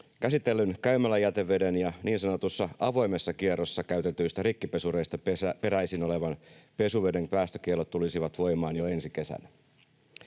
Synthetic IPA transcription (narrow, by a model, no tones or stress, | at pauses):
kæsit̪elːynkæymælːæjæt̪e̞ʋːe̞de̞njɑniːnsɑno̞t̪usːɑʔɑʋo̞jme̞sːɑkierosːɑkæyt̪et̪ːyːst̪æɾikːipe̞sure̞ist̪ɑpe̞ɾæisino̞le̞ʋɑnpe̞suʋe̞de̞ŋpæːst̪øk̟ielːot̪t̪ːulisiʋɑt̪ʋo̞jmɑːnjoe̞nsike̞sæ̰n